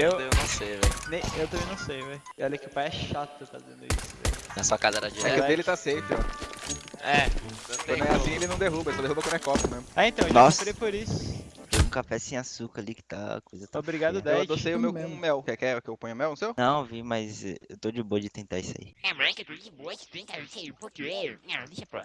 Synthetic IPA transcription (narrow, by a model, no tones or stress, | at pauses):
ewewnɐ̃w̃sejvɛ̰jnẽj̃ewt̪ɐ̃mbẽj̃nɐ̃w̃sejvɛjewalejkɪʊpajɛʃat̪ʊfa̰zḛ̃nd̪ʊḭsʊvɛ̰jnɐsuɐkazɐɛɾɐd͡ʒɛveelɪt̪asejt̪ʊɛ | ɛ̃kɐ̃nw̃ɛasĩelɪnɐ̃w̃d̪eɦubɐlsɔd̪eɦubɐkwɐ̃nd̪ɛkɔpɐmẽzmʊaẽt̪ɐ̃nɔsɾejpoɾisʊʊt̪ẽũkafɛsẽasukɐɾalikɪ̥t̪a̰kojzɐt̪aobɾiɡad̪ʊd̪ɛd̪osejʊmewmõmɛwkɛkɪɛʊkɪewpõɲ̃ʊmɛwnũsewnɐ̃w̃vimɐzɛ̰ewt̪od͡ʒɪboɐd͡ʒɪt̪ẽnt̪aisa̰iɛmɛ̃ket̪od͡ʒɪboɐd͡ʒɪt̪ẽt̪aisɛpoɾkeɛĩt͡ʃɛpɔ̰